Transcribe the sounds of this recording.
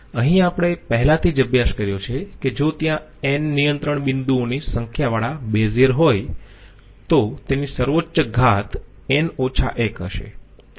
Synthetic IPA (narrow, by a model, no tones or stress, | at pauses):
əɦĩapəɽ̃epəɦɛlat̪ʰid͡ʒəbjaʃkəɾjot͡ʃʰeked͡ʒot̪jã | enːijənt̪ɾəɳbɪnd̪uonisəŋkʰjaʋaɭabezeɾɦoj | t̪ot̪enisəɾʋot͡ʃːəɡʱat̪ | enot͡ʃʰa̰ʔekɦə̰ʃḛ